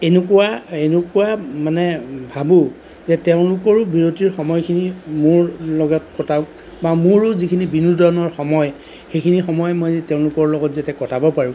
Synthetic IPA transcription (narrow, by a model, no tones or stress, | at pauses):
enʊkuwaenʊkuwamanɛbʱabʊ | zɛteʊ̃lʊkɔɹʊbʱiɹotiɹxɔmɔjkʰinimʊɹlɔɡɔt̚kɔtʰaʊk | bamʊɹʊzikʰinibinudɔnɔɹxɔmɔj | xejkʰinixɔmɔjmɔjteʊ̃lʊkɔɹlɔɡɔtzatɛkɔtʰabɔpaɹʊ̃